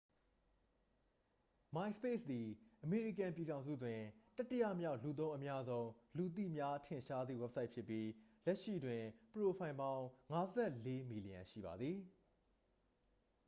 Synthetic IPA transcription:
mã˨ɪ̃spe˦˨sd̪i˨ʔəme˨ɹi˨kã˨mpi˨ɾã˨ʊ̃nzṵ˦˨twɪ̃˨tɐ˦tːɪ˦ja̰˦˨mja˦˨ʊʔlu˨t̪̬õ˦ʊ̃ʔə˦mja˦zõ˦ʊ̃lu˨t̪̬ḭ˦˨mja˦tʰɪ̃˨ʃa˦d̪ðḭ˦˨wɛ˦p̚sʰa˦ɪʔpʰjɪ˦pːji˦lɛ˦ʔʃḭ˦˨dwɪ̃˨pəɹo˨pʰã˨ɪ̃mbã˦ʊ̃ŋa˦zɛ˦˨ʔle˦mi˨li˨ã̰˨ʃḭ˦˨ba̰˨d̪ði˨

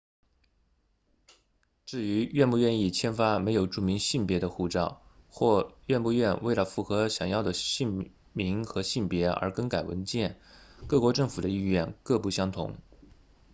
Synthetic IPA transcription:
ʈ͡ʂɻ̩˥˩y˧˥ɥɛ˥˧npu˥˧ɥɛ˥˧ni˥˩t͡ɕʰjɛ˥nfa˥me˧˥ɪjo˨˩ʊʈ͡ʂu˥˩mi˧˥ŋɕi˥˩npjɛ˧˥d̪ə˧xu˥˧˩ʈ͡ʂɑ˥˩˧ʊxwɔ˥˧ɥɛ˥˧npu˥˧ɥɛ˥˧nwe˥˩ɪlə˩fu˥˩xɤ˧˥ɕjɑ˨˩ŋjɑ˥˩ʊd̪ə˩ɕi˥˩ | mi˧˥ŋxɤ˧˥ɕi˥˩npjɛ˧˥ə̰˞˧˥kə˥nka˨˩ɪwə̰˧˥nt͡ɕjɛ˥˩nkɤ˥˩kwɔ˧˥ʈ͡ʂɤ˥˩ŋfu˨˩d̪ə˦i˥˧ɥɛ˥˩nkɤ˥˧pu˥˩ɕjɑ˥ŋt̪ʰʊ̰˧˥ŋ

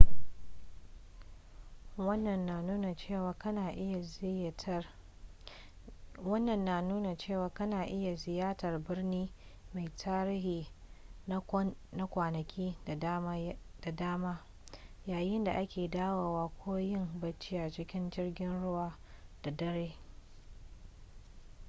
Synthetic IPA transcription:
wɐ˦nːɐ˨nːaː˨nuː˦na˨t͡ʃeː˦˨waː˨kɐ˦naː˨ʔɪ˦ja˨ | wɐ˦nːɐ˨nːaː˨nuː˦na˨t͡ʃeː˦˨waː˨kɐ˦naː˨ʔɪ˦ja˨zɪ˨jaː˦tɐ˨rbɪ˦rniː˦ma˨jtʰaː˦ɾiː˦ɦiː˨na˦na˦kʷaː˨nɐ˨kʲʰiː˦da˨˦d̥a˨daː˦maː˦ | jaː˨jɪ˦nda˨ʔa˦kʲeː˨daː˦waː˨waː˦kʷʰoː˦jɪ˦mbɐ˦t͡ʃːi˦ja˨t͡ʃɪ˦kʲɪ˦nd͡ʒɪ˦rɡʲɪ˦nɽʊ˦waː˦ | d̥a˨dɐ˦ɽeː˦

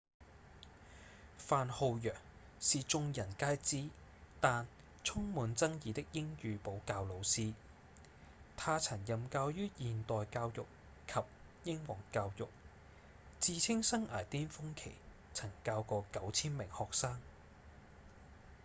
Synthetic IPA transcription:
faː˨˧nho˧wjœː˨˩ŋ | siː˨t͡sʊ˧ŋjɐ˨˩nkaː˥jt͡siː˥t̪aː˨n | t͡sʰʊ˥ŋmuː˨˧nt͡sɐ˥ŋjiː˨t̪ɪ˥k̚jɪ˥ŋjyː˨˧po˨˥wkaː˧wlo˨˧wsiː˥ | t̪ʰaː˧t͡sʰɐ˨˩ŋjɐ˨mkaː˧wjyː˥jiː˨nt̪ɔː˨jkaː˧wjʊ˨k̚ | kʰɐ˨p̚ | jɪ˥ŋwɔː˨˩ŋkaː˧wjʊ˨k̚ | t͡siː˧t͡sʰɪ˥ŋsɐ˥ŋʔa̰ː˨˩jt̪iː˥nfʊ˥ŋkʰe˨˩j | t͡sʰɐ˨˩ŋkaː˧wkɔː˧kɐ˨˥wt͡sʰiː˥nmɪ˨˩ŋhɔː˨k̚saː˥ŋ

